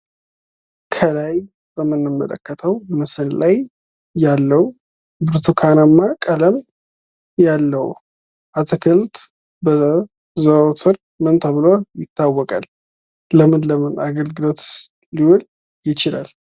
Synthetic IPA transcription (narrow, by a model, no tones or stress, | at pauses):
kʰəlaj | b̥əmːɨnːɨmːə̰lə̰kːət̪ʰəwmɨsɨnlajː | alːəwu | bɨɾt̪ʰukʰanamːakʼələm | jalːəwu | ʔat̪ʰɨkʰɨlt̪ | bə | zət̪ʰɨɾ | mɨnt̪ʰəβɨlojɪt̪ʰːawːɔkʼal | ləmɨnləmɨnaɡəlɡɨlo̞t̪ | liwʊl | jɪt͡ʃɪla̰l